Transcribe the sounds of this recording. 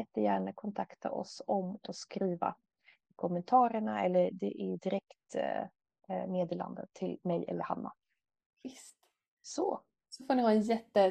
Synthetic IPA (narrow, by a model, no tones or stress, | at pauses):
ɛt̪ːəjæːɳakʰɔnt̪ʰakt̪ʰa̰ʔɔ̰sɔmɔskɾiːva̰ | kʰɔmɛnt̪ʰɑːɾəɳaɛlːəɾɖɛʔɪd̪ɪɾɛkt̪ | meːd̪eːla̰nd̪ə̰t̪ʰːɪlmɛjʔɛ̰lːəɾha̰mːa̰ | vɪst̪ | sɔ | sɔfoːɳɪhɑɛnjɛt̪ːə